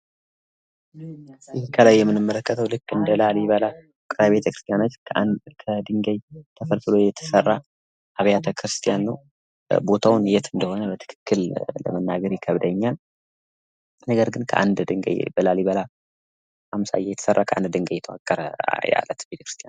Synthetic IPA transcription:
ikʰəlajːɛmːɨnɨmːələkːət̪ʰəwlɨkːɨnd̪əlaliβəla | kʼɾajbe̞t̪ʰəkɾɨst̪ʰijanot͡ʃːʰkʰəd̪ɨŋɡəjt̪ʰəfəlfɨlo̞jɛt̪ʰə̥sərːa | ʔaβjat̪ʰəkʰɾɨst̪ʰijanːəw | bo̞t̪ʰawnjɛt̪ɨnd̪əho̞nəbət̪ʰɨ̥kʰɨ̥kːɨllə̰mənːaɡəɾjɛkʰəβd̪əɲːal | nəɡəɾɡɨnkʰə̰ʔa̰nd̪d̪ɨŋɡə̰jbəlaliβəla | amsa̰jɛjɛt̪ʰə̥sərːakʰəʔa̰nd̪d̪ɨŋɡəjːɛt̪ʰəwa̰kʼːəɾə̰ja̰lːət̪bet̪ʰə̥kɾɨst̪ʰʼija

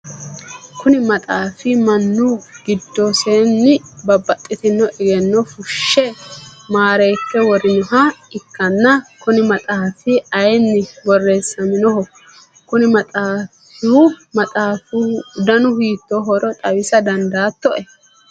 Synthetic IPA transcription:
kʊnɪmɐt̪ʼaːfɪmɐnːuɡ̥ɪd̪ːɔsenːɪbɐbːɐt̪ʼːɪt̪ɪnːɔʔɪɡɛnːɔfʊʃːɛmaːɾɛjpːɛwɔɾɪnɔɦɐɪkːɐnːɐkʊnɪmɐt̪ʼaːfɪɐjnːɪwɔrːeːsːɐmɪnɔɦɔ | kʊnɪmɐt̪ʼaːfɪhʊmɐt̪ʼaːfʊd̪ɐnʊhiːt̪ːɔɦɔɾɔt̪ʼɐwɪsɐd̪ɐnd̪aːt̪ːɔʔɛ

